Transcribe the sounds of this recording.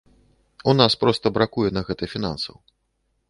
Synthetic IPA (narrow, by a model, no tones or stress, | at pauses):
unaspɾɔst̪ɐbɾakujɛnɐɣɛt̪ɨfʲina̰nsɐ̰w